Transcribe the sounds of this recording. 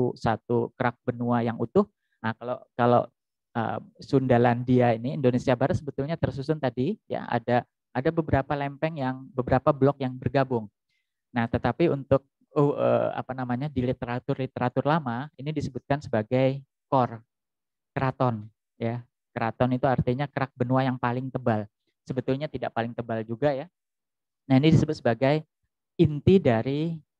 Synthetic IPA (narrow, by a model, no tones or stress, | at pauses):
usat̪ukəɾak̚b̥ənuajaŋut̪ʊh | akalokalo̰ | ə̰sundalandiainiindonesiabaɾət̪̚səbət̪ʊlɲat̪ərsusʊnt̪adija̰a̰da | ʔːdabəbəɾapalɛmpɛŋjaŋbəbəɾapablɔk̚jaŋbərɡabʊŋ | naht̪ət̪apiunt̪ʊk̚ | uə̰a̰panamaɲadilit̪eɾat̪ʊrlit̪eɾat̪ʊrlamainidisəbʊt̪̚kansəbaɡaj | kɔr | kəɾat̪ɔn | ja | kəɾat̪ɔnit̪uart̪iɲakəɾak̚bənuajaŋpalɪŋt̪əbal | səbət̪ʊlɲat̪idaʔpalɪŋt̪əbald͡ʒuɡaja | nahinidisəbʊt̪səbaɡaj | int̪idaɾi